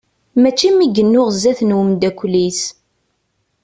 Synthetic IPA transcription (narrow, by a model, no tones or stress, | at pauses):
mæt͡ʃːimiɡənːʊʁzæθnwəmd̪ækʷːlis